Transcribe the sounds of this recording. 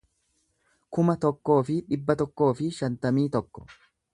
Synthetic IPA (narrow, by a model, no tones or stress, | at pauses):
kʊmɐt̪ɔkːo̞ːfɪᶑɪbːɐt̪ɔkːo̞ːfɪʃɐnt̪ɐmiːt̪ɔkːɔ̥̰